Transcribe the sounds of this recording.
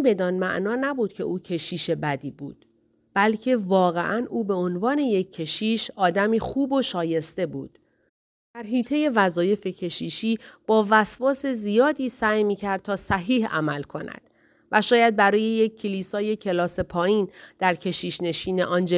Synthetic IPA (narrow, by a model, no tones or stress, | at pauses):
be̞d̪ɒːnmæ̰ʔnɒːnæbuːd̪̥̚cʰe̞̰ʔuːcʰe̞ʃiːʃe̞bæd̪iːbṵːd̪̥ | b̥ælcʰe̞vɒːɣe̞̰ʔænʔuːbe̞o̞nvɒːne̞jecʰːe̞ʃiːʃɒːd̪æmiːxuːbo̞ʃɒːje̞st̪e̞buːd̪̥ | d̪̥æɾɦiːt̪ʰe̞je̞væzɒːje̞fe̞cʰe̞ʃiːʃiːb̥ɒːvæsvɒːse̞zijɒːd̪iːsæːjmiːcʰæɾd̪̚t̪ʰɒːsæɦiːhæ̰mælkʰo̞næ̰d̪̥ | væʃɒːjæd̪̚bæɾɒːje̞je̞cʰːeliːsɒːje̞cʰe̞lɒːse̞pʰɒːjiːnd̪̥æɾcʰe̞ʃiːʃne̞ʃiːne̞̰ʔɒːnd͡ʒe